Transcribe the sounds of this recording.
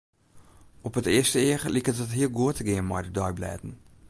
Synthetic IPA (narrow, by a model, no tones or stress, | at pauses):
ɔpətiəstəiəχlikətɦətɦiəlˠɡuətəɡiəmɑjdədɑjblɛ̰ːtən̩